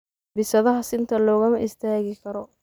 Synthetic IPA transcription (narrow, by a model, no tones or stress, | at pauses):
bɪsɐðɐɦɐsɪnt̪ʰɐlɔːɣɐmɐʔɪst̪ʰaːɣɪkʰɐɾɔ